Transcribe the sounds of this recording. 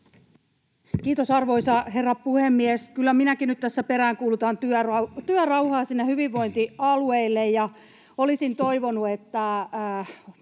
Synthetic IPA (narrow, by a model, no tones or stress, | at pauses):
kiːt̪osɑrʋoisɑherːɑppuhemːieskylːæminækinyt̪t̪æsːæpeɾæːŋkuːlut̪ɑnt̪yørɑt̪yørɑuhɑːsiːnːehyʋiʋːo̞int̪iɑlueilːejjɑ | olisint̪oiʋonuet̪ːæ